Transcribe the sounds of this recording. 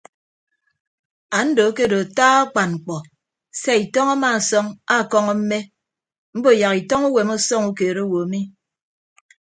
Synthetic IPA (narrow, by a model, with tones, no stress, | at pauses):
a˨n̩˦do˨˦ke˦˨do˨a˨taː˦a˦k͡pa˨nŋ͡m̩˨k͡pɔ˨ | se˦i˨tɔ˦ŋa˦ma˨sɔ˦ŋa˦˨kɔ˦ŋɔ˦m̩˦me˦ | m̩˦bo˦˨ja˨ki˨tɔ˦ŋu˦we˨mɔ˦sɔ˦ŋu˦ke˨ɾo˦o˦wo˨a˨mi˦